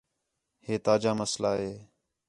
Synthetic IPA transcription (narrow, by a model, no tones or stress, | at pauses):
heːt̪aːd͡ʒaːməslaːɦeː